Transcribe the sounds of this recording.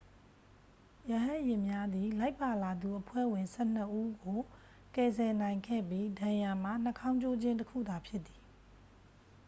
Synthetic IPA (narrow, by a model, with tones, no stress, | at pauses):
jə˨ɦã˦˨ʔjɪ̃˨mja˦d̪i˨la˦ɪpːa˨la˨d̪u˨ʔəpʰwɛ̰˦˨wɪ̃˨nsɛ˦˨n̥ə˦ʔu˦ɡo˨ | kɛ˨zɛ˨nã˨ɪ̃ŋkʰɛ̰˦˨bji˦dã˨ja˨m̥a̰˦˨n̥ə˦kʰã˦ʊ̃ɲt͡ɕo˦d͡ʑɪ̃˦ntə˦kʰṵ˦˨d̪a˨pʰjɪ˦t̪t̪ːi̥˨